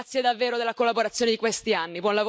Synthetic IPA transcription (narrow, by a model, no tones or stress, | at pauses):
t̪sːjed̪avːeːɾod̪elːakolːaboɾat̪sːjoːned̪ikwest̪ianːibwɔnlavo